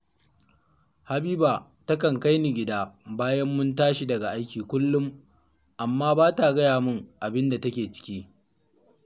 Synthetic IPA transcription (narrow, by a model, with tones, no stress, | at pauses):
ha˨biː˦baː˨ | tɐ˦kɐ˨ŋka˦jni˨ɡʲɪ˨daː˦baː˦jɐ˦mːʊ˦ntaː˦ʃi˦dɐ˨ɡa˨ʔa˦jkʲiː˨kʷʊ˦lːʊ˦m | ʔa˨mːaː˦baː˦ta˨ɡɐ˦jaː˨mʊ˦ŋʔa˨bɪ˦nda˨tɐ˦kʲeː˨t͡ʃɪ̥˦kʲiː˦